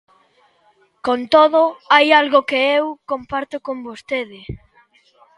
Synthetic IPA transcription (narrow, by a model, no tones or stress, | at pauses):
kont̪oðʊajalɣokeewkompaɾt̪ʊkombost̪eðɪ